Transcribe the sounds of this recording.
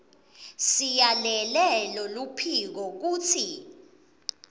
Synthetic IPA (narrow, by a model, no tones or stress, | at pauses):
sijalɛlɛlɔlupʰik̬ɔk̬uːt͡sʰi